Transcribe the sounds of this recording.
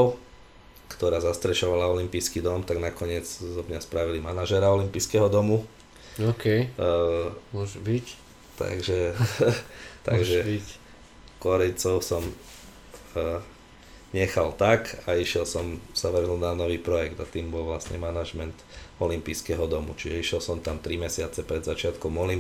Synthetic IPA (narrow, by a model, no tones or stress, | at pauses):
ʊ | kt̪ɔɾaːzast̪ɾɛʃɔʋalaɔlimpijskid̪ɔmt̪aɡnakɔɲɪɛd͡zzɔmɲaspɾaʋilimanaʒɛɾaɔlimpiːskɛɦɔd̪ɔmu | ɔkɛ | mʒbic | t̪a̰ɡʒɛ | t̪aɡʒɛ | kɔɾɛjt͡sɔʊsɔm | ɲɛxalt̪akaiʃɪɛlsɔmsaʋr̩ɦnuːd̪nanɔʋiːpɾɔjɛɡd̪at̪iːmbɔlʋlasɲɛ̰manaʒmɛnt̪ɔlimpiːskɛɦɔd̪ɔmṵt͡ʃiʒɛiʃjɛlsɔmt̪amt̪ɾimɛsɪat͡sɛpɾɛd̪zat͡ʃɪat̪kɔmɔlim